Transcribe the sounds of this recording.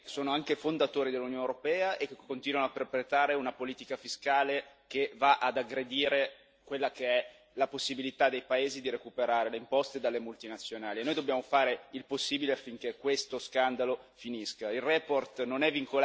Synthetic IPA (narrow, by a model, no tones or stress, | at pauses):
soːnoaŋkefond̪at̪oːɾid̪elːunjoːnewɾopɛːaʔekkːont̪iːnwanoap̪ːerpɾet̪aːɾeunapoliːt̪ikafiskaːle | kevaʔad̪aɡɾed̪iːɾe | kwelːakeɛ | laposːibilit̪ad̪ejpaeːzid̪iɾekupeɾaːɾeleimpɔst̪ed̪alːemult̪inat̪sːjonaːlienːojd̪obːjaːmofaːɾeilposːiːbileafːiŋk̟ekwest̪oskand̪alofiniskailrɛport̪nonɛvːiŋkol